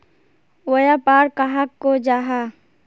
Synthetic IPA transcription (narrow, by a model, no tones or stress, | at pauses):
wəjapaːɾkaɦakːod͡ʒaːɦa